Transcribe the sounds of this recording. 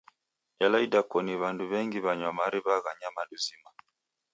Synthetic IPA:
jalaidakɔniβanduβɛŋɡiβaɲwamaɾiβaɣaɲamaduzima

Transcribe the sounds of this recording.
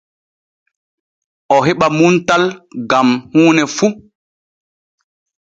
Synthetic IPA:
ʔɔɦeɓamuntalɡamhuːnɛfu

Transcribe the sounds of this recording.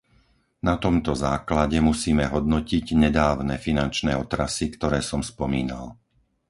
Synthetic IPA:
nat̪ɔmt̪ɔzaːklaɟɛmusiːmɛɦɔd̪̚nɔciɟɲɛd̪aːʊnɛːfinant͡ʃnɛːɔt̪ɾasikt̪ɔɾɛːsɔmspɔmiːna̰l

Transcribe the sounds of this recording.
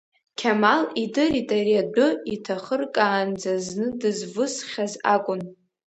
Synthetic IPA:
kʲʰamalidɨritʼaɾiadʊitʰaχərkʼaːnd͡zazznɨdɨzvʊsχʲaza̰kʷʼʊn

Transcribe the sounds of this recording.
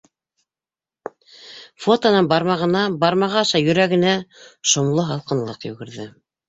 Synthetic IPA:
fot̪onɤnbɑɾmɑʁɤ̆nɑbɑɾmɑʁɑʃɑjɵ̆ɾæɡɘ̆næʃŏmlˠɤɦɑlˠqɤ̆nlˠɤqjɵ̰̆ɡɘ̆ɾðɘ

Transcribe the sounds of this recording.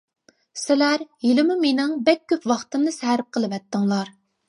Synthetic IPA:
sɪlæɾjilɪmumenɪŋbɛk̚ʲʰːøpwɑχt̪ɨmnɨsæɾɪp̚qʰəlˠɨvɛt̪ːɨŋlˠɑɾ

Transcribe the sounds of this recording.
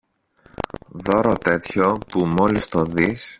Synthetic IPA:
ðo̞ɾot̪e̞t̪ço̞pumo̞list̪o̞ðis

